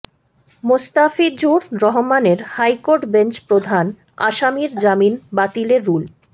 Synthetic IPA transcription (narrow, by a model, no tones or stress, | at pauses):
most̪afid͡ʑuɾɾɔɦomaneɾhajkoɾʈbent͡ɕpɾod̪ʱan | a̰ʃamiɾd͡ʑaminbat̪ileɾːul